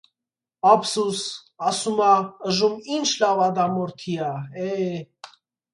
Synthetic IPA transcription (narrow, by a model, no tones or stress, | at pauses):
ɑpsus | ɑsumɑəʒumint͡ʃʰlɑvɑd̪ɑmɔɾt̪ʰiɑɛ